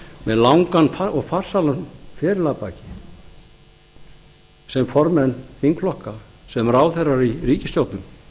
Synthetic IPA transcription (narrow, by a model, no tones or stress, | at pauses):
mɛðlawŋkanfaɔɣfar̥salanfɛːɾɪlapaːcɪ | sɛmfɔɾmɛnθiŋkflɔhkasɛmɾaːwθejrːaɾiriːcɪst̪jowt̪nʏm